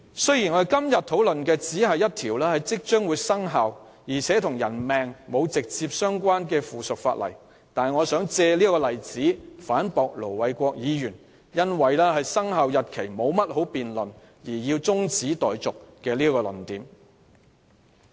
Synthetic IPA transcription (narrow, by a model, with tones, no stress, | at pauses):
sɵ˥ɥji˨˩nɔː˨˧˩jkɐ˥mjɐ˨t̚t̪ʰo˨˥wlɵ˨nkɛː˧t͡siː˨˥ɦɐ˨jːɐ˥t̚t̪ʰiː˨˩wlɛː˥hɐ˨jt͡sɪ˥k̚t͡ʃœː˥ŋwuː˨˧jsɐ˥ŋɦaː˨w | jiː˨˩t͡sʰɛː˨˥t̪ʰʊ˨˩ŋjɐ˨˩nmɛː˨ŋmo˨˧wt͡sɪ˨k̚t͡siː˧p̚sœː˥ŋkʷaː˥nkɛː˧fuː˨sʊ˨k̚fa̰ː˧t̚lʔɐ̰˨˩j | t̪aː˨nŋɔː˨˧sœː˨˥ŋt͡sɛː˧liː˥kɔː˧lɐ˨˩jt͡siː˨˥faː˨˥npɔː˨k̚lo˨˩wwɐ˨jkʷɔː˧k̚jiː˨˧jyː˨˩n | jɐ˥nwɐ˨jlɛː˥hɐ˨jsɐ˥ŋɦa˨wjɐ˨t̚kʰe˨˩jmo˨˧wmɐ˥t̚ho˨˥wpiː˨nlɵ˨˩n | jiː˨˩jiː˧wt͡sʊ˥ŋt͡siː˨˥t̪ɔː˨jt͡sʊ˨kːɛː˧liː˥kɔː˧lɵ̰˨˩nt̪iː˨˥m